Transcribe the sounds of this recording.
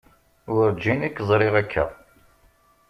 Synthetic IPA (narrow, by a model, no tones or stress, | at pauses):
ʊɾd͡ʒinikːzˤɾɪʁækʰːæ̰